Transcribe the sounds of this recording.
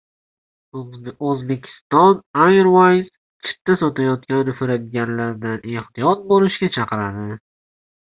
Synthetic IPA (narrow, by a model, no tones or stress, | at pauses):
ozbekʲʰɪ̥st̪ɒnajɾwajz | t͡ʃʰɪ̥t̪ʰːasot̪ajɒt̪̚kʲanɪfɪɾad̪ɪɡʲanlaɾd̪ane̞ht̪ijɒt̪̚bolɪʃɡʲat͡ʃʰɑqɨɾad̪ɪ